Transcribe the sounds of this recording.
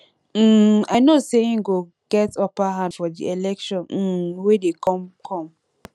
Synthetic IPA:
m̩aɪnoseĩŋ̩ɡo | ɡ̥ɛtɔpaɦãndfɔdḭelɛkʃɔ̃n̩wedekɔmkʰɔ̃m

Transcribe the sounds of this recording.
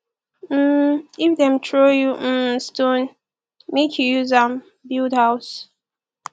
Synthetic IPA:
m̩ifdɛ̃mtʰɹojuʔ̩stõn | mekʰjujuzãm | bildhaʊs

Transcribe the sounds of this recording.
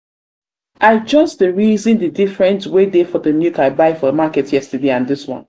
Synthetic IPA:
ʔaɪd͡ʒʌsdəɹizɨ̃ndədifɹɛ̃ntwedefɔðənjukaɪbaɪfɔəmakɛtjɛstədeãnðɪswɔ̰̃n

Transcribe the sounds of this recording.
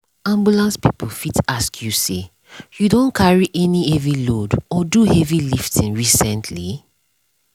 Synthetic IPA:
ãmbulãnspipʰl̩fitaskʰjuse | judõnkʰaɹiʔɛniɛvilodɔduhɛviliftʰĩnɹisɛ̃ntʰli

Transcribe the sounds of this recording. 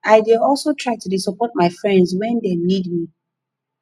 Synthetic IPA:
aɪdiɔlˠsotʰɹaɪtudisɔpɔt̚maɪfɹɛ̃ndzwɛ̃ndenidmi

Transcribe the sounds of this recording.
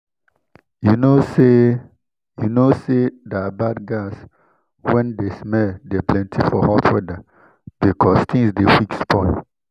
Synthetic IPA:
junose | junosedaabadɡas | wɛ̃ndesmɛldeplɛ̃ntʰifɔ̰hɔtʰwɛda | b̥ikʰɔstĩŋsdewikspʰɔ̃ɪl

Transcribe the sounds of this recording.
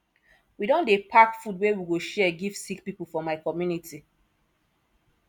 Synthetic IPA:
widɔ̃ndepʰakfudwewiɡoʃɛɡiv̥sik̚pipl̩fɔmaɪkɔmjunitʰi

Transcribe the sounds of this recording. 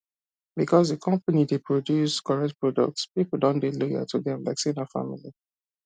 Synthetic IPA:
bikʰɔsdəkʰɔ̃mpənidepʰɹodjuskɔɹɛk̚t̚pɹɔdɔ̰k̚tspipl̩dɔ̃ndelɔjə̰tʰuðɛ̃mla̰ɪksĩnəfa̰mili

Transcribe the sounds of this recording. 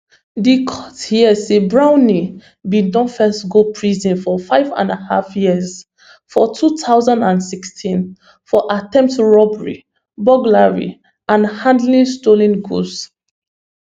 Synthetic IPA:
dikʰɔthiəsebɹãʊ̃ni | bĩdɔ̃fɛstɡopʰɹizĩnfɔfaɪvã̰nəha̰fjiəz | fɔtʰutʰaʊzãndãnsikstʰĩn | fɔʔatɛ̃mp̚tɹɔbɹḭ | bɔɡlaɹḭ | ãnhãndlĩnstolĩnɡṵs

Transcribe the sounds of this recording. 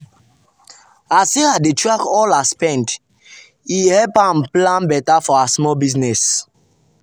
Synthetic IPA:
aseadetɹakɔlaspɛ̃nt | ihɛpãmplãnbɛtafɔasmɔlbiznɛs

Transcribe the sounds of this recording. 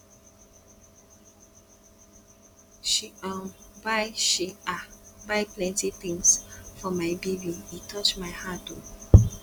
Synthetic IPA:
ʃiãmbaɪʃiabaɪplɛ̃ntiθĩŋsfɔmaɪbibiitʰɔt͡ʃmaɪhato

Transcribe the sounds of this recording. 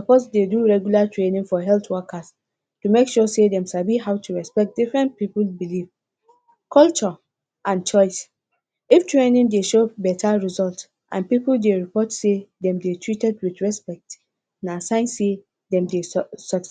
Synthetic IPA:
sɔposdeduɹɛɡjulatʰɹenĩŋfɔɦɛltwɔkas | tumekʃusedɛ̃msabiɦawtʰuɹɛspɛk̚t̚d̥ifɹɛ̃nt̚piplbiliv | kʰɔlt͡ʃɔ | ʔãnt͡ʃɔɪs | iftɹenĩŋdeʃobɛtʰaɹizɔlt | ʔã̰npipldeɹipɔtsedɛ̃mdetʰɹitɛdwitɹɛspɛk̚t | nasãɪ̃nse | dɛ̃mdesɔt

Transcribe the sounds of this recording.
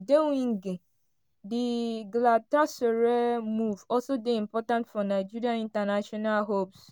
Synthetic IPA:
dewĩŋ̩ɡe | diɡlatasoɾemuvɔlsodeĩmpɔtãntfɔnaɪd͡ʒiɾiãnĩntanaʃɔnalɦops

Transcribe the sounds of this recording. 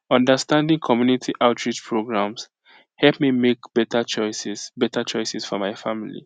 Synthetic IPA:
ɔ̃ndəstãndĩŋkʰɔmjunitʰiʔaʊtʰɹit͡ʃpʰɹoɡɹãms | hɛlpmimekb̥ɛtat͡ʃɔɪsɛsbɛtat͡ʃɔɪsɛsfɔmaɪfamilḭ

